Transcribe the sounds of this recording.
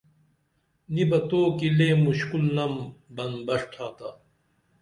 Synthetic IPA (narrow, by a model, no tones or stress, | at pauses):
nibɐt̪oːkileːmuɕkulnɐmbɐnbɐʂʈʰaːt̪a